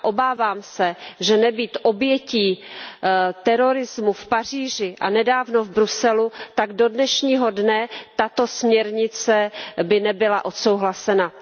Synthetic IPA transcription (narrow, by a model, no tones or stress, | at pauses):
ʔo̞baːvaːmsɛʒɛnɛbiːt̪ʔo̞bjɛciː | t̪ɛɾoɾɪzmufpariːʒɪʔanɛdaːvno̞vbɾusɛlut̪aɡdo̞dnɛʃɲiːɦodnɛt̪at̪o̞smɲɛɾɲɪt͡sɛbɪnɛbɪlaʔo̞t̪sowɦlasɛna